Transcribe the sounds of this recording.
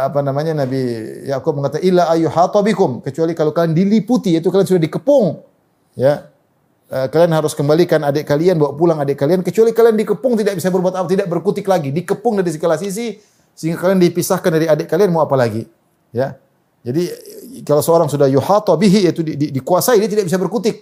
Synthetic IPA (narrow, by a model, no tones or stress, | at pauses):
apanamaɲanabijakʊb̚məŋat̪aʔɪlːaʔajuhat̪ˤɔbikʊmkət͡ʃualikalawkaliandiliput̪iit̪̬ukaliansudahdikəpʊŋ | ja | əkalianɦaɾʊskəmbalikanadɛʔkalianbawaʔpulaŋadɛʔkaliankət͡ʃualikaliandikəpʊŋt̪̬idak̚bisabərbuat̪apat̪idaʔ̚bərkut̪ɪk̚laɡidikəpʊŋdaɾis̬əkəlasis̬i | səɦiŋɡakaliandipisahkandaɾiadɛʔkalianmawapalaɡi | ja | d͡ʒadikalawsəoɾaŋsudahjuħat̪ˤɔbiɦiat̪uidikuasaidiat̪̬idak̚bis̬abərkut̪ɪk̚